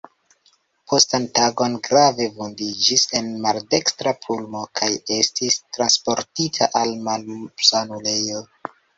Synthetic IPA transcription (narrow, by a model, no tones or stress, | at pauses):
pʰo̞stantaɡo̞nɡɾave̞vundid͡ʒise̞nmalde̞kstɾapʰulmo̞kʰaje̞stistɾanspo̞ɾtitʰaʔalmalsanule̞jo